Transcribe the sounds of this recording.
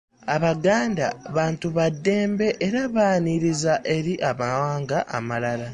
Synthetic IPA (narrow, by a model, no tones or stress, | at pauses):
aβaɡaːndaβaːntuβadːe̞ːmbe̞ʔːɾaβaːniɾizaʔe̞ɾiʔaβawaːŋɡaʔa̰malala